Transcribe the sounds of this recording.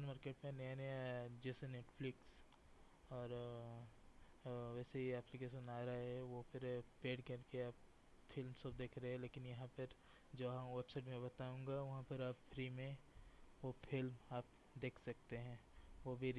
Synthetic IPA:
nmaːɾkeːʈmẽnenẽd͡ʒɛːseneːʈfʰlɪks | ɔːɾ | ʋɛːseiɛplikeːʃə̃naːɾaaɦɛʋopʰɪɾpeːɖkɐɾkeaːp | fʰɪlmsəbd̪eːkʰɾeɛ̃leːkɪnjɐɦãpɐɾ | d͡ʒoːɦãʋepseːʈmẽbɐt̪aːũːŋ̆ɡaʋɐɦãpəɾaːpfɾiːmẽʋofʰɪlmaːp | d̪eːkʰsɐk̚t̪eɦɛ̃ːʋobʱi

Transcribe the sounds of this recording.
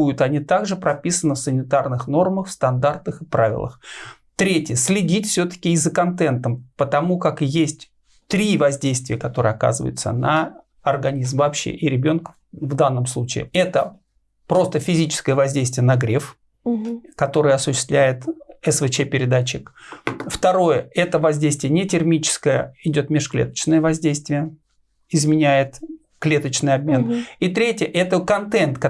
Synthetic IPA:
ujʊt̪ɐnʲit̪aɡʐɨpɾɐpʲisənəfsənʲɪt̪arnɨxno̞rməxfst̪ɐnd̪art̪əxɨpɾavʲɪ̰lˠə̰x | t̪ɾʲetʲjəsʲlʲɪdʲitʲfsʲɵt̪ə̥kʲɪːzəkɐnt̪ɛnt̪əmpət̪ɐmukakjesʲtʲ | t̪ɾʲivɐzʲdʲejst̪vʲɪjəkɐt̪o̞ɾɨjɐka̰zɨvə̰jʊ̰t̪sə̰nə | ɐrɡɐnʲizmvɐpɕːḛʔɪɾʲɪbʲo̞nkə̥ | vd̪anːəmslˠut͡ɕɪ̰ɪ̰ɛt̪ə | pɾo̞st̪əfʲɪzʲit͡ɕɪ̥skəjəvɐzʲdʲejst̪vʲɪjənɐɡɾʲef | kɐt̪o̞ɾɨjəɐsʊɕːɪst̪lʲæjɪt̪ɛsvɨt͡ɕɛpʲɪɾʲɪd̪at͡ɕːɪkft̪ɐɾo̞jəɛt̪əvɐzʲdʲejst̪vʲjənʲɪtʲɪrmʲit͡ɕɪ̥skəjəɪdʲo̞t̪mʲɪʂklʲḛt̪ə̥t͡ɕnəjəvɐzʲdʲejst̪vʲɪjə | ɪzmʲɪnʲæjɪt̪ | klʲe̞t̪ət͡ɕnɨjɐb̚mʲe̞nit̪ɾʲetʲɪjəʔɛt̪əkɐnt̪ɛnt̪k

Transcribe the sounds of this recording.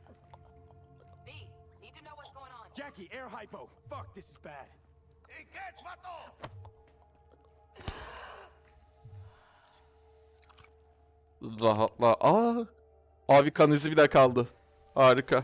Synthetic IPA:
d͡ʒækiɛɹɦajpoʊ | fʌk̚ðɪsɪzbæd̥ | ɾaɦat̪lˠaʔa | avikʰanizibid̪ɛkʰalˠd̪ɯ | haːɾikʰa

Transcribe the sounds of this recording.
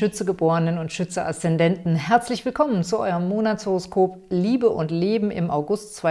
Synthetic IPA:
ʏt͡səɡəboːʁənənʊntʃʏt͡səʔa̰stɛndɛntn̩ɦɛɐt͡slɪçv̥ɪlkʰɔmənt͡suʔɔ̰ʏʁəmːoːnatt͡shoʁoskʰoːpliːbəʔʊntleːbm̩ʔɪ̰maʊɡʊstt͡sv̥a

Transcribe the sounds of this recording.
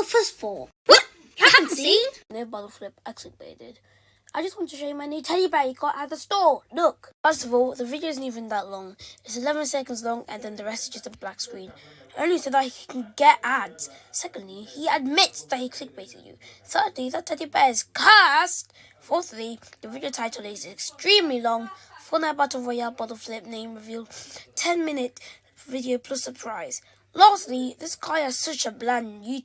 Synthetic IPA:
ʊfɜ˞stvɔ | w | ãnsĩnoʊbɑɾl̩ˠflɪpaɪkʰl̥ɪk̚b̥ḛɪɾɪd̥ | ʔaɪd͡ʒʌst̚wɑ̃ntʰɨʃoʊjmaɪnẽtʰɛlˠjɨbɛjɨkʰɔʔaðəstɔɹlʊkfɜ˞stəvɔlˠðəvɪdioʊzn̩tivə̃nðətˡlɔ̃ŋɪtsɨlɛvə̃nsɛkə̃n̩dzlɔ̃ŋə̰̃nðɨ̃nðəɹɛstɪzd͡ʒʌsəblakskɹĩnõʊ̃nlisoʊðahikʰn̩ɡɛɾadz̥sɛkə̃ndliiəd̚mɪtsðət̚hikʰl̥ɪk̚b̥eɪtɪ̰djɨ̰θɜ˞dliðətʰɛdibɛz̥kʰast | fɔɹθliðəvɪdioʊtʰaɪtʰl̩ˠɪzɪkstɹ̥ĩmlilɔ̃ŋfənəbʌtəvɹoɪalˠbɑɾl̩ˠflɪp̚nẽɪ̃mɹɪvilˠtʰɛ̃nmɪ̃nɪt | vɪɾioʊpʰl̥ʌsəpʰɹ̥aɪz̥ | lɑˑstˡliðɪsɡ̥ʰaɪəsʌt͡ʃəblãnjʉ

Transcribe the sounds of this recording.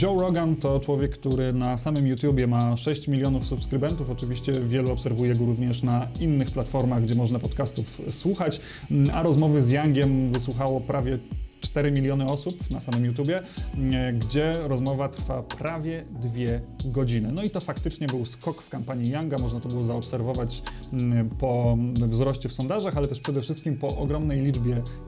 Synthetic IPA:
ʐɔwɾɔɡant̪ɔt͡ʂwɔvʲjɛkːt̪uɾɘnasamɘmjut̪ʲjubʲjɛmaʂɛɕt͡ɕmʲilʲjɔnufsupskɾɘbɛnt̪ufɔt͡ʂɘvʲiɕt͡ɕɛvʲjɛluɔpsɛɾvujɛɡɔɾuvɲɛʂnainːɘxplat̪fɔɾmaɣɡd͡ʑɛmɔʐnapɔt̪kast̪ufswuxat͡ɕ | aɾɔzmɔvɘzjaŋɡʲjɛmvɘs̬wuxawɔpɾʔavʲjɛt͡ʂt̪ɛɾɘmʲilʲjɔnɘɔsupnasamɘmjut̪̬ʲjubʲjɛ | ɡd͡ʑɛɾɔzmɔvat̪ɾfapɾavʲjɛd̪vʲjɛɡɔd͡ʑinɘnɔit̪ɔfakt̪ɘt͡ʂɲɛbɘwskɔkfkampaɲijaŋɡamɔʐnat̪ɔbɘwɔzaɔpsɛɾvɔvat͡ɕ | pɔvzɾɔɕt͡ɕɛfsɔnd̪aʐaxalɛt̪ɛʂpʂɛd̪ɛfʂɘst̪kʲimpɔʔɔɡɾɔmnɛjlʲid͡ʐbʲjɛ

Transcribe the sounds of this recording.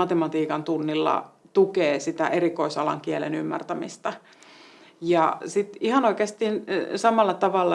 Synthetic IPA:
ɑt̪emɑt̪iːkɑnt̪unːilːɑ̰ | t̪ukeːsit̪æʔerikoisɑlɑ̰ŋkielḛnymːæ̰rt̪æmḭst̪ɑ | jɑsit̪ihɑnoikeːst̪iːnsɑmɑlːɑt̪ɑʋɑlːɑ

